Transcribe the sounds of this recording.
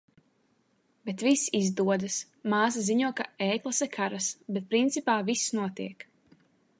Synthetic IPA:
bet̪visizd̪uɔd̪ɨs | maːs̬aziɲuɔkaeːklˠasɛkʰaɾasbɛt̪̚pɾint̪sipaːvisːnuɔt̪iɛk

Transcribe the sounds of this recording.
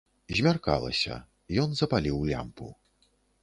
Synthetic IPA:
zʲmʲarka̰lˠɐ̰sʲɐ̰ | jɔnzɐpalʲiwlʲa̰mpṵ

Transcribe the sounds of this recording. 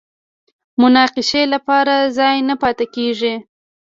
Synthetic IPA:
mʊnɑqɪʃelapɑɾazɑjnapɑt̪akeʐi

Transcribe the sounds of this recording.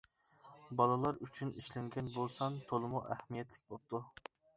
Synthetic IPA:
bɑlˠɨlˠɑɾyt͡ʃʰyniʃlɛŋɡʲɛnbolˠsɑnt̪ʰolˠɨmuʔɛ̰hmijɛt̪ʰlɪk̚ʲbop̚t̪ʰu

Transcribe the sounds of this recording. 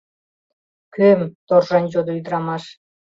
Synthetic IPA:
kømt̪orʒɑnʲd͡ʑod̪oyd̪ɾɑmɑʃ

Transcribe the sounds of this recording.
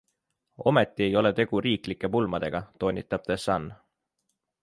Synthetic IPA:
o̞̰me̞t̪ːie̞jo̞le̞t̪e̞ɡ̥uɾiːklikːˑe̞pulmɑd̪̥e̞ɡ̥ɑt̪o̞ːnʲit̪ːˑɑb̥̚t̪esɑn

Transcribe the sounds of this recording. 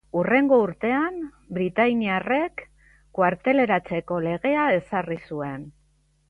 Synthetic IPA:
ure̞ŋɡo̞uɾt̪e̞am | bɾit̪ajniare̞kː | waɾt̪e̞le̞ɾat͡se̞ko̞le̞ɣe̞ae̞sarisue̞n

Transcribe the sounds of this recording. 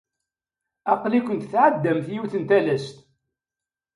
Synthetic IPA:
ɑqlikʷənt̪θʕəd̪ːəmθjiwθənt̪æləst̪

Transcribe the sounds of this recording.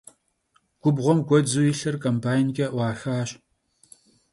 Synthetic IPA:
ɡ̥ʷʊbʁʷɔmɡʷɔd͡zujɪɬɨrkʼɐmbaːjnkʲʼɐʔʷɑːxaːɕ

